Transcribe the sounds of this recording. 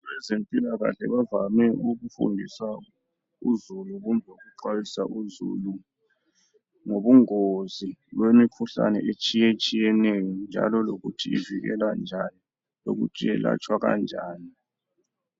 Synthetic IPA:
βɛzempʼilaɣa̰ɬɛβavamɛuɣufṵndʱisa | uzuluɣumʱoɣuǃwajisaʔuzṵlu | ŋoβuŋozilwemikʰuɬa̰nɛʔet͡ʃʼijet͡ʃʼijɛnɛjɔnd͡ʒʱa̰lɔloɣṵtʰiiviɣɛ̰land͡ʒʱani | lo̰ɣṵt͡ʃʼijɛla̰t͡ʃʼwaɣa̰nd͡ʒʱaːni

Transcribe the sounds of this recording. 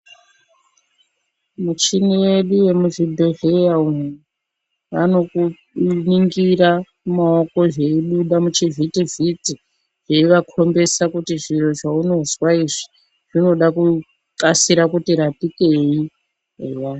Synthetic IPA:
mut͡ʃiniwe̞ɗuwe̞muʐibʱeɦejaum | ʋa̰no̞ku | niŋɡiɾa | maoko̞ʐeiɗuɗamut͡ʃivitiviti | ʐ̥eiʋakʰo̞mbe̞sakutiʐiro̞ʐauno̞zwaiʐi | ʐ̥ino̞ɗaku | kasiɾakutiɾatike̞i | eja

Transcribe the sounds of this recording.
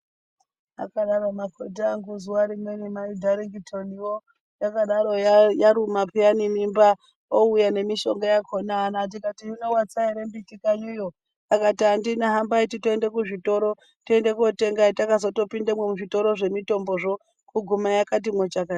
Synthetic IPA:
a̰kaɗaɾomakʰotaŋɡuzuwaɾimwenimaidʱaɾiŋɡitʰoniwo | jakaɗaɾojaɾumapianinimba | oujane̞miʃo̞ŋɡajakʰonaanatikatiunowat͡saiɾembitikaɲujo | jakatiandinaɦambaititoendekuʐito̞ɾo̞ | tiendekuote̞ŋɡatakazoto̞pindamwemuʐito̞ɾo̞ʐe̞mito̞mbo̞ʐo̞ | kuɡʱumajakat̬imwet͡ʃakai

